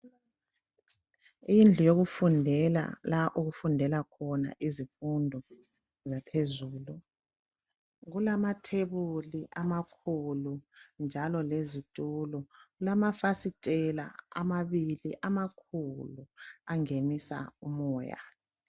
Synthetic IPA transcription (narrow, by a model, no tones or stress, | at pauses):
ijind͡ɮʱujoɣufundʱɛla̰laʔuɣufundʱɛlakʰɔna̰ʔizifundʱɔ | zapʰezuːlu | ɣulamatʰeβuliʔamakʰulund͡ʒʱalɔlezitʼulɔɣulamafasitʼɛla̰a̰maβiliʔamakʰuluaŋenisa̰umɔja̰